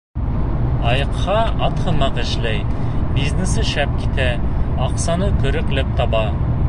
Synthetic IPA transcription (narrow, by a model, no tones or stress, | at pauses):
ɑjɤ̆qhɑɑt̪hɤ̆mɑqɘ̆ʃlæj | biznɘsɘʃæp̚kit̪æɑqsɑnɤkɵ̆ɾɘ̆klɘp̚t̪ɑbɑ